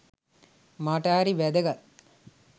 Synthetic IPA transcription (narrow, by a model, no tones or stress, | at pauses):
maʈəːɾiʋæd̪əɡat̪